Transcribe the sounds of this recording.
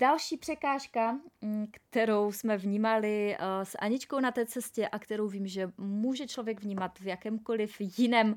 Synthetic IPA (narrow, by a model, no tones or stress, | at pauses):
dalʃiːpr̝̥ɛkaːʃkakt̪ɛɾo̞wsmɛvɲiːmalɪsʔa̰ɲɪt͡ʃkownat̪ɛːt͡sɛscɛʔakt̪ɛɾo̞wviːmʒɛmuːʒɛt͡ʃlo̞vjɛɡvɲiːmat̪vjakɛːmko̞lɪfjɪnɛːm